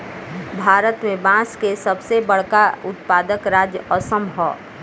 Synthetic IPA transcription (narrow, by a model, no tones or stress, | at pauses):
bʱaːɾət̪mẽbãːskesəbsebəɽ̤kaʊt̪̚paːd̪əkɾaːd͡ʒjəɔsə̃mbʱɔː